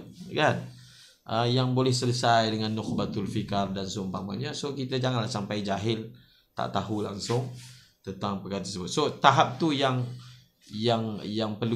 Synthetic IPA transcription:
kan | ʔəjaŋbolɛhsələsajdəŋanːʊk̚bat̪ʊlfikardansʊmpama̰ɲasokit̪ad͡ʒaŋanlahsampajd͡ʒaɦɪl | t̪a̰ʔt̪aɦulaŋsʊŋt̪ənt̪aŋpəkaɾt̪ərsəbʊt̪̚sot̪aɦap̚t̪ujaŋ | jaŋjaŋpərlu

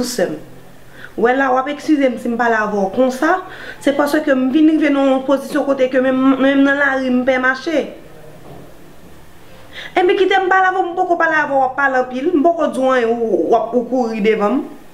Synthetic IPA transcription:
usɛm | wɛlawapɛkskʲyzem̩sim̩palavɔkɔ̃sa | sɛpasøkøm̩vinɣivenɔ̃pozisjɔ̃kot̪ekømmmɛ̃mnɐ̃laɣim̩pɛmaʃe | ẽpĩkit̪em̩palavɔm̩pokopaleavɔwapːalɐ̃pilm̩pokod͡zũãjɛ̃wap̚ukuɣidevʌ̃m

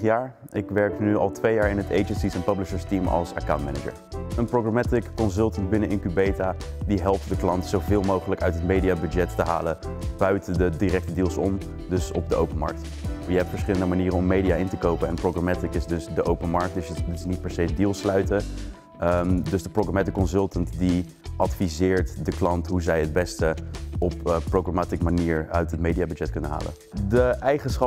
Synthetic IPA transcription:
jaːɹʔɪkʋɛɹknyɑ̰lˠtʋejaːɹɪnɦətejd͡ʒənsisɛnpœblɪʃəɹstimɑ̰lˠsə̰kawntmɛnəd͡ʒə̰ɹənproɡramɛtɪkːɔnsɵlˠtənbɪnəʔɪnkybejtadiɦɛlˠp̚tdəklɑntsowvɪːlˠmowχələkœ̰ɥtɦətmejdiabyd͡ʒɛtːəɦa̰ːləb̥œɥtədədirɛk̚tədiːlˠsɔm | dɵsɔ̰b̚dəʔowpənmɑ̰ɹk̚t | jəɛp̚tfəɹsχɪləndəmaniːrənɔmːejdijaːʔɪntəkowpənɛnproχramatikɪsdɵsdəʔowpənmɑɹk̚tdɪsdɪsnit̚pɛɹsejdiːlˠslœɥtə | ədɵzdəproɡramatɪkːɔnsɵlˠtəntdi | ʔɑtfizɪːɹtdəklɑntɦuzɛjəd̚bɛstəɔppːroχramaːtikmaniːɹœ̰ɥtɦətmejdijabyd͡ʒɛt̚kɵnəɦa̰ːlə̰ | dəɛjχənsχɑ

